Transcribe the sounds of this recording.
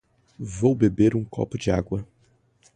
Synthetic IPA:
vowbebeɾũkɔ̰pʊd͡ʒɪaɡwɐ

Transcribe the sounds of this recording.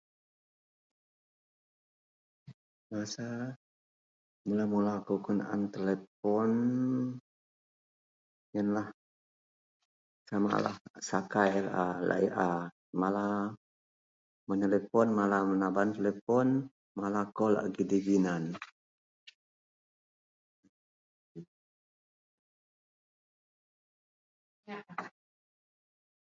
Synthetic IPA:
masa | mulamulakɔkuna̰nt̪elepɔn | jənlah | sama̰la̰hsakajlala̰ʔiʔa | mala | mənt̪elefɔnmalamənabant̪elefɔn | malakɔla̰ʔɡidibinan

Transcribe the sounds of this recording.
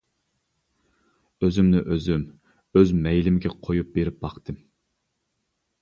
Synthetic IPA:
øzymnɪʔøzym | øzmɛjlɪmɪɡʲɛqʰojup̚beɾɪp̚b̥ɑχt̪ʰɨm

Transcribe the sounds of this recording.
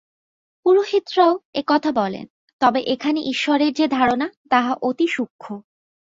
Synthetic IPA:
puɾoʃit̪ːɾooekɔt̪ʰabɔlḛn | t̪ɔbeʔekʰaneʔiʃːɔɾeɾd͡ʑed̪ʱaɾonat̪aɦaʔot̪iʃukʰːo

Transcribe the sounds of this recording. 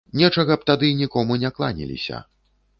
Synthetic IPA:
nʲɛt͡ʂɐɣɐp̚t̪ad̪ɨnʲikɔmunʲɛklˠa̰nʲḭlʲḭsʲɐ̰

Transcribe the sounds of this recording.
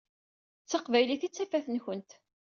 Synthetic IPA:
t͡sːəqvæjliθit͡sːæfæθənçənt̪

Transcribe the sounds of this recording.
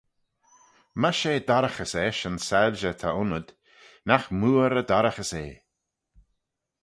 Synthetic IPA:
maʃeːd̪aɾəxəsɛʃənsalʒət̪ʰaʊnəd̪̥ | naxmuːɾəd̪aɾəxəseː

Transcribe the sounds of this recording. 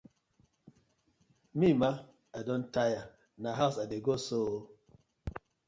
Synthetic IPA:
mima | adõntaja | naɦasadeɡoso

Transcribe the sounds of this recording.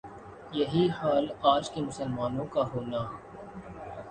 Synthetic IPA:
jɐɦixaːlaːd͡ʒkemʊsəlmaːnõkaɦoːnaː

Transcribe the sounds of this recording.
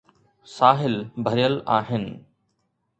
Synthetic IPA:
saːɦɪlbʱəɾɪjəlaːɦɪnɪ̆

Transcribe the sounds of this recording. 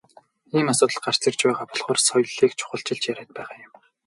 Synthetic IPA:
iːmasʊːt̪ə̆ɮɢar̥t͡sɪ̆r̥t͡ɕpæːʁaːpɔɮχɔːrsɔjɮiːkt͡ɕʰʊ̥χə̆ɬt͡ɕɪ̆ɮt͡ɕjæɾæːt̪̚pæːʁaːjʊm

